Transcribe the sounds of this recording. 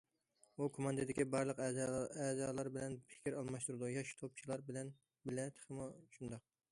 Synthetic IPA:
ukʰomɑnd̪ɨd̪ɪkʲibɑɾlˠəqɛzɑːlˠɑɾbɪlɛnpʰɪ̥kʲɪɾɑlˠmɑʃt̪uɾɨd̪ujɑʃt̪ʰop̚t͡ʃʰilˠɑɾbɪlɛn | bɪlɛt̪ʰχəmuʃʰund̪ɑq̚

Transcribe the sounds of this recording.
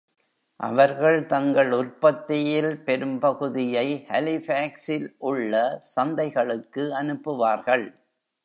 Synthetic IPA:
ʔɐ̰ʋɐɾɣɐɭt̪ɐŋɡɐɭʊɾpɐt̪ːɪjɪlpɛɾɯmpɐɣɯðɪjɐɪhɐlɪfaːksɪlʔʊɭːɐsɐnd̪ɐɪɣɐɭɯkːɯɐnɯpːɯʋaːɾɣɐɭ

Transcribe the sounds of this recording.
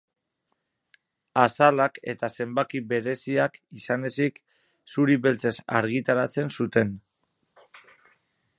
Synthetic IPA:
asalake̞̰t̪ase̞mbakiβe̞ɾe̞siakisane̞sik | suɾiβe̞lt͡se̞sa̰ɾɣ̞it̪aɾat͡se̞nsut̪e̞n

